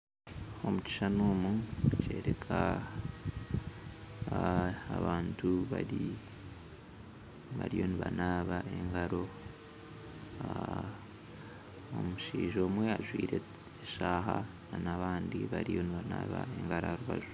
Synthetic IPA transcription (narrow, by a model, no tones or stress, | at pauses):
o̞muci̥ʃanoːmuce̞ːɾe̞kʰa | βaːntʰuβaɾi | βaɾijo̞niβanaːβaʔe̞̰ŋɡaɾo̞ | omuʃiːʒo̞ːmwe̞aʒwiːɾe̞ | eʃaːɦa | nanaβaːndiβaɾijo̞niβanaːβaeŋɡaɾaɾuβa̰ʒu